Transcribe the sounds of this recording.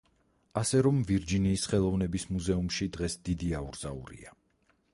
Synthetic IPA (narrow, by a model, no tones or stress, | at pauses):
asɛɾɔmviɾd͡ʒiniːsχɛlˠɔvnɛbismuzɛumʃid̪ʁɛsd̪̥id̪iauɾz̥a̰ṵɾḭa